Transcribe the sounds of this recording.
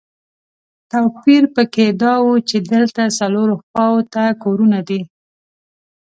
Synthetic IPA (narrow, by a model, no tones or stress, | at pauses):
t̪apiɾpəked̪ɑwut͡ʃed̪əlt̪asaloɾoxwɑwot̪akoɾunad̪i